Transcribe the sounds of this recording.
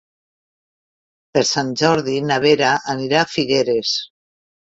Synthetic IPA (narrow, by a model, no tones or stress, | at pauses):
peɾsanʲd͡ʒɔɾðinaβeɾaʔːniɾafiɣeɾes